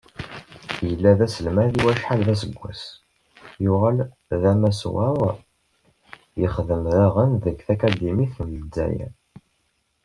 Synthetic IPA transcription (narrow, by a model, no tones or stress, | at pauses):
jəlːæðæsəlmæðiwæʃħalðæs̬əɡʷːæ̰s | jʊʁæl | ðæmæswæɾˤ | jəχðəmðaʁənðəɡθækæd̪imiθəmd̪ːæ̰jæ̰